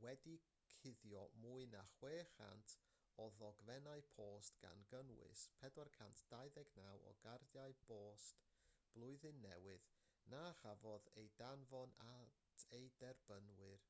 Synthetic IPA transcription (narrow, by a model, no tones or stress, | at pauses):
wɛdi | kʰɪðjɔmuːɨnaχweːχa̰ntʰ | ɔðɔɡvɛnaɨpʰoːstɡ̥a̰nɡənwɨ̰spʰɛdwarkʰantʰd̥aɨðɛɡnawɔ̰ɡarðjaɨb̥oːst | b̥lˠʊɨðɨnːɛ̰wɨð | naχavɔðejdanvɔnatʰejdɛrb̥ənwɨr